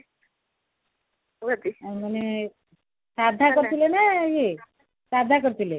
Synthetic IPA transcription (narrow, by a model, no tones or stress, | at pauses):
ɡad̪imane | sad̪ʱːakʌɾt̪ʰilenaje | sad̪ʱakəɾt̪ʰule